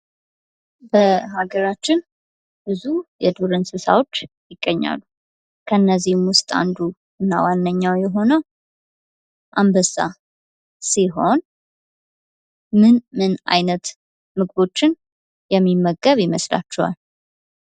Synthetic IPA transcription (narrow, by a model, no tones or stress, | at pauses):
bəhaɡəɾat͡ʃːɪn | b̥ɨzujɛd̪oɾɨnsɨsa̰wo̞t͡ʃːjɪɡːəɲːa̰lːu | kʰəɨnːəzːihmwʊst̪ʼa̰nd̪u | ɨnːa̰wanːəɲːawjɛɦo̞nəw | ʔambəsa̰ | siɦo̞n | mɨnmɨna̰jnət̪ | mɨɡbo̞t͡ʃːɪn | jɛmːimːəɡːəβjɪməsla̰t͡ʃːɛwa̰l